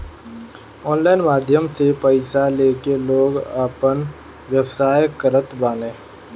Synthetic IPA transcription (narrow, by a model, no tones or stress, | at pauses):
ɔːnlaːɪnmaːd̪ʱjəmsepəɪsaleːkeloːɡaːpən | ʋjəwsaːjkəɾət̪baːnẽː